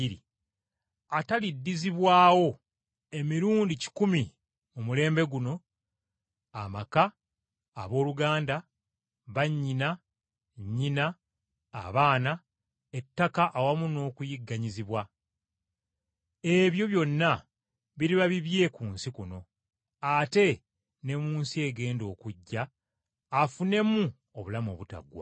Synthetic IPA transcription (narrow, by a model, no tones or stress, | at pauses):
ɾḭ | atalidːiziβwaːwo̞ | e̞miɾuːndici̥kumi | mumule̞ːmbe̞ɡuno̞ | a̰maka̰ː | βo̞ːluɡaːnda | βaɲːina | ɲːina̰ː | βaːna | e̞tːakaʔawamuno̞ːkujiɡːaɲiziβwa | e̞βjo̞βjo̞nːa | βiɾiβaβiβje̞kuːnsikuno̞ | ate̞ | ne̞muːnsie̞ɡe̞ːndo̞ːkuɟːaː | fune̞mu | oβulamo̞̰ːβuta̰ɡwa̰